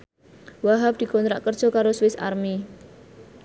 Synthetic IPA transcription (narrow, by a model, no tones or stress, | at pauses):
waɦap̚d̪̥i̤kɔnt̪ɾaʔkərdʒ̥ɔ̤kaɾoswɪsa̰rmi